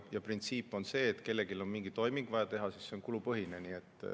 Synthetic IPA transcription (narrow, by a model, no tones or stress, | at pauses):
jɑprint̪siːpːˑo̞nse̞ːt̪ːke̞lːe̞ɡilo̞nmiŋɡit̪o̞jmiŋɡ̥vɑjɑt̪e̞ɦɑsisːeo̞nkulupɤɦineniːe̞t̪ːˑ